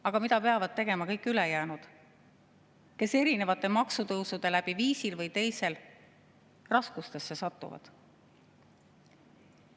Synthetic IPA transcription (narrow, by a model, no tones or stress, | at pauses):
ɑɡ̥ɑmit̪ɑpe̞ɑvɑd̪̥̚t̪e̞ɡe̞mɑkɤjkːˑylejæːnud̪̥ | ke̞se̞ɾine̞vɑt̪ːˑe̞mɑksut̪ɤwsud̪̥e̞læb̥iviːsilvɤjt̪e̞jse̞l | rɑskust̪e̞sːe̞sɑt̪ːˑṵvɑ̰d̪̥